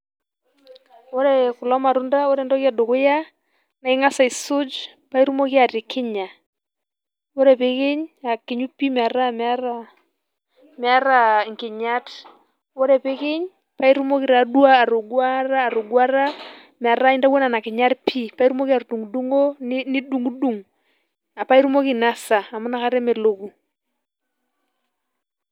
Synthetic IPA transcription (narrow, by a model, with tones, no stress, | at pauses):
o˦ɾɛ˨kʊ˨lɔ˦ma˨ɾʊ˦nda˦wo˦ɾɛ˦˨ndɔ˦kja˨do˨kʊ˦ja˦ | na˨ɪ˦ŋa˦sa˨i˨sʊ˦d͡ʒ | pa˦i˦ɾu˦mo˦ki˦a˨ɾɪ˨kʰɪ˦ɲa˨ | o˦ɾɛ˨pe˦kɪ˦ɲa˨kɪ˨ɲu˦pi˦m˨a˨ɾa˦ma˦ɾa˦ | mɪ˨a˦ɾa˨ŋkɪ˨ɲa˦t | wo˦ɾɛ˨pɪ˦kɪ˦ɲ | pa˦i˦ɾu˦mo˦kɪ˦ɾa˨du˦aː˦˨ɾo˨ɡwa˦ɾaː˦˨ɾo˨ɡwa˦ɾa˦ | mɪ˨a˨ɾa˦ɪ˦nta˦wɔ˦na˨na˨kɪ˨ɲa˦ɾpʰi˦pa˦i˦ɾu˦mo˦ki˦a˨ɾu˨du˨ŋu˨du˦ŋo˦ni˦du˨ŋu˦du˨ŋ | a˨pa˦i˦ɾu˦mo˦ki˦na˦sa˨a˨mʊ˦na˦ka˦ɾɛ˦me˨lo˨ku˨